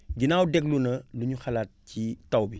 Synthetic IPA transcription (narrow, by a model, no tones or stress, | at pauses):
ɡinaːwdɛɡlunɐluɲuxɐlaːt̚citɐwbi